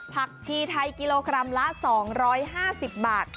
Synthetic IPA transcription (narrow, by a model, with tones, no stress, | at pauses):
pʰa˨˩k̚t͡ɕʰiː˧t̪ʰa˧jki˧loː˧kɾa˧mla˦˥sɔː˩˦ŋɾɔː˦˥jɦaː˥˩si˨˩p̚baː˨˩t̪̚